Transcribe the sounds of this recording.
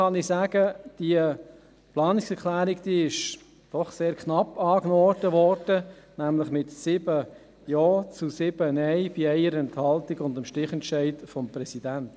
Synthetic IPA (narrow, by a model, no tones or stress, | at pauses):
ɑnɪsæːɡəd̥iə | plɑːnɪksɛɾkʰlæːɾikd̥̪iɪʃ | d̥ɔχseːɾkʰnɑpːɑːknod̥əʋɔrd̥ə | næmlɪχmɪtsɪbə | joːt͡susɪb̥ənɛɪb̥iɛɪəɾəɛnthɑltiɡʊndəmʃtɪχɛntʃæɪtfɔmpɾɛsid̥ænt